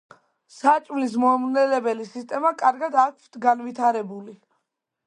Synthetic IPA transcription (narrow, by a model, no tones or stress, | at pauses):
sat͡ʃʼmlis̬mɔmnɛlɛbɛlisist̪ʼɛmakʼaɾɡad̪ak̚ʰʷt̪ʰɡanvit̪ʰaɾɛbuli